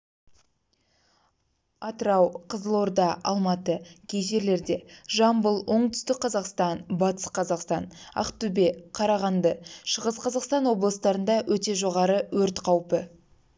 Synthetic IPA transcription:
ɑt̪əɾɑwqʰəzəlˠoɾd̪ɑʔɑ̰lˠmɑt̪əkʲʰejʒe̞ɾle̞ɾd̪e̞ʒɑmbəlˠwo̞ɴt̪ʰʏst̪ɪk̚qʰɑzɑqst̪ɑnbɑt̪ə̥sqʰɑzɑqst̪ɑ̰nɑ̰qt̪ʉbe̞qʰɑɾɑʁɑnd̪əʃəʁəzqʰɑzɑqst̪ɑnwo̞blˠəst̪ɑɾənd̪ɑwɵt̪e̞ʒo̞ʁɑɾəwɵɾt̪qʰɑwpə

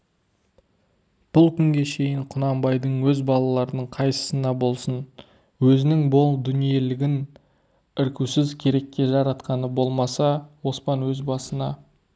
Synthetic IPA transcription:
b̥ʊlˠkʲʰʏŋɡʲe̞ʃe̞jɪɴqʰʊnɑmbɑjd̪əɴwɵzbɑlˠɑlˠɑɾənəɴqʰɑjsə̥sənɑbo̞lˠsən | wɵzɪnɪŋbolˠd̪ʏnije̞lɪɡʲɪn | ɪɾkʲusɪzkʲʰe̞ɾe̞kʲːe̞ʒɑɾɑt̪qɑnəbo̞lˠmɑsɑwo̞spɑnwɵzbɑsənɑ

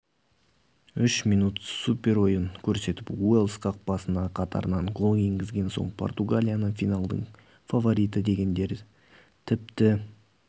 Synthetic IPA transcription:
ʏʃmijnut̪supʲe̞ɾo̞jəŋkʲʰɵɾse̞t̪ɪpwelˠsqɑq̚b̥ɑsənɑqʰɑt̪ɑ̰ɾənɑɴɡolˠeŋɡʲɪzɡʲe̞nso̞̰ɴpʰo̞̰rt̪uɡalʲijanəfijnalˠd̪ə̰ɴ | favo̞ɾʲijt̪əd̪e̞ɡʲe̞nd̪e̞ɾ | t̪ʰɪp̚t̪ɪ

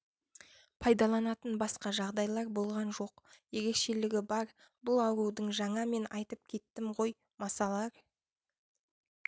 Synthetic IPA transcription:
pʰɑjd̪ɑlˠɑnɑt̪ənbɑsqɑʒɑʁd̪ɑjlˠɑɾbo̞lˠʁɑnʒo̞qje̞ɾe̞kʃe̞lɪɡʲɪbɑɾ | bʊlˠɑwɾud̪əɴʒɑɴɑme̞nɑjt̪əp̚kʲʰe̞t̪ːɪmʁo̞j | mɑsɑlˠɑɾ

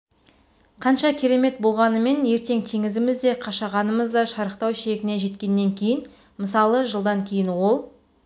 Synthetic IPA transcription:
qʰɑnʃɑkʲʰiɾe̞me̞t̪̚bo̞lˠʁɑnəme̞ne̞ɾt̪e̞ŋt̪ʰeŋɪzɪmɪzd̪e̞qʰɑʃɑʁɑnəməzd̪ɑʃɑɾəqt̪ɑwʃe̞ɡʲɪne̞ʒe̞t̪kʲe̞nːe̞ŋkʲʰe̞jɪn | məsɑlˠəʒəlˠd̪ɑŋkʲʰe̞jɪnwo̞lˠ

